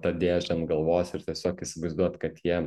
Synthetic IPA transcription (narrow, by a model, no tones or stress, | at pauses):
t̪ɐd̪ʲeːʒʲɐnɡɐlˠʋoːsɪɾt̪ʲiɛsʲoːkisʲɪʋɐɪzd̪uɔt̪kɐt̪jiɛ